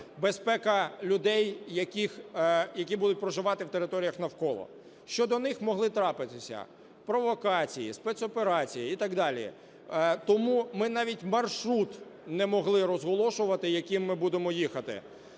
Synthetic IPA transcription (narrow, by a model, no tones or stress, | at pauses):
bespɛkɐlʲʊd̪ɛjːɐkʲixjɐkʲibud̪ʊt̚ʲpɾɔʒɪʋɑt̪ɪwt̪eɾɪt̪ɔɾʲijɐxnɐwkɔlˠɔ̰ | ʃt͡ʃɔd̪ɔnɪxmɔɦlˠɪt̪ɾɑpɪt̪ɪsʲɐ̰ | pɾɔʋɔkɑt͡sʲijispɛt̪sɔpeɾɑt͡sʲijiit̪ɑɡd̪ɑlʲḭ | t̪ɔmumɪnɑʋʲitʲmɐrʃɾut̪ | nɛmɔɦlˠɪɾɔzɦɔlˠɔʃʊʋɐt̪ɪjɐkʲimːɪbud̪emɔjixɐt̪ɪ̰